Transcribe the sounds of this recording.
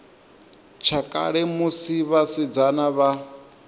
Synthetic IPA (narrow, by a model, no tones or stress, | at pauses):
t͡ʃʰakʼa̰ɺɛmusiβasid͡zanaβa